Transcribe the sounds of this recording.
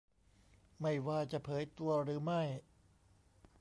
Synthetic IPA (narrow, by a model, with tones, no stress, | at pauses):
ma˥˩jwaː˧t͡ɕa˨˩pʰɤː˩˦jt̪u˧ɐɾɯː˩˦ma˥˩j